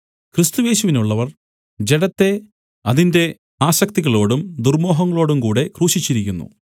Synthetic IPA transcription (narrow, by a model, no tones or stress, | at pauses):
krist̪uje̞ːɕuʋinuɭːɐʋɐr | d͡ʑe̞ɽɐt̪ːe̞ | ɐðinde̞ | aːɕɐk̚t̪iɣɐɭo̞ːɽumd̪urmo̞ːɦɐŋːɐɭo̞ːɽumkuːɽe̞kruːɕit͡ɕːiɾik̬ʲːunːṵ